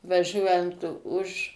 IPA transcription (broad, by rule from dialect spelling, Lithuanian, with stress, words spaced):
ʋɐˈʒʲuɔjɛnt ʊʃ